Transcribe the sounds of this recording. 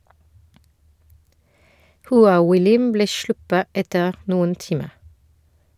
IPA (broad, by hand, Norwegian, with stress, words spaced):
hʊˈɑː wɪˈlɪm ˈbleː ˈʃɭʊpə ˈɛtəʁ ˈnʊən ˈtɪmə